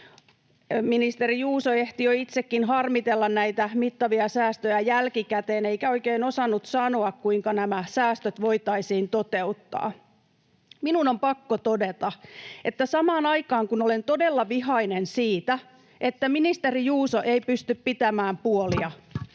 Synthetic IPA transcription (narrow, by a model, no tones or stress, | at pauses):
minist̪erijuːsoeht̪ijoit̪sekːinɦɑrmit̪elːɑnnæit̪æmit̪ːɑʋiɑsæːst̪øjæjælkikæt̪eːneikæoikeinosɑnːut̪sɑnoɑkkuiŋkɑnæmæsæːst̪øt̪ʋoit̪ɑisiːnt̪ot̪eut̪ːɑ̰ː | minunompɑkːot̪odet̪ɑʔet̪ːæsɑmɑːnɑikɑːŋkunolent̪odelːɑʋiɦɑinensiːt̪æ | ʔet̪ːæminist̪erijuːsoʔeipyst̪yppit̪æmæːmpuoliɑ